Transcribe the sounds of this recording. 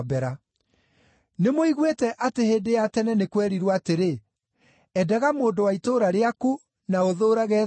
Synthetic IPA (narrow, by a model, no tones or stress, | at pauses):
bɛɾa | nemoiɣwetɛʔateheːndejatɛnɛnekwɛɾiɾwateɾe | ɛdɛɣamoːndowaitoːɾaɾeaku | naoðoːɾaɣɛ